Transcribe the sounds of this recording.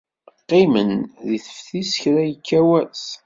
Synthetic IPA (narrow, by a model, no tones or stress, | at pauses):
qːimənðiθə̥fθisəçɾæjəkːæwæs